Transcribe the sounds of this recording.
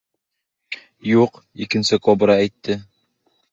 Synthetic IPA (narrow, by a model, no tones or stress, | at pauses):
juq | ikɘ̆nsɘkobɾɑæjt̪ːɘ